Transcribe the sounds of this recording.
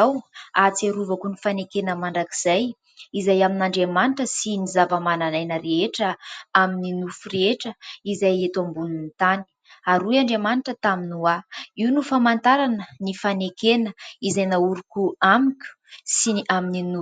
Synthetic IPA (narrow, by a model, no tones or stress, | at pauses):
awat͡seɾuvakunifanekenəmaɳɖ͡ʐakiz̥aj | izajaminaɳɖ͡ʐemaniʈ͡ʂəsinizavəmananajnəɾeeʈ͡ʂəamininufureeʈ͡ʂəizajet̪ambununit̪ani̥ | aɾujaɳɖ͡ʐemaniʈ͡ʂət̪aminuaiwnufamant̪aɾanənifanekenəizajnauɾukʲuamikʲu̥siamininu